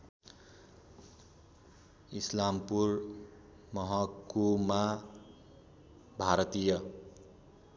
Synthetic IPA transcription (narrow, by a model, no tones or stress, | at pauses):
islampur | mʌɦʌkːoma | bʱaɾʌt̪ijʌ